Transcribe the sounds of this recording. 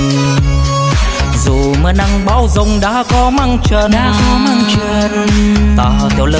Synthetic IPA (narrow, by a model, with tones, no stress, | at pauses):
zu˨˩ | məː˨˦na˧ŋɓaː˨˦wzə˧˩wŋ͡mɗa̰ː˧˥kɔ˨˧˦ma˧ŋt͡ɕə˧˨˩ɗaː˧˥kɔ˨˦ma˧ŋt͡ɕə˧˩tt̪aː˧˩˨t̪ʰɛ˧˦wlə˧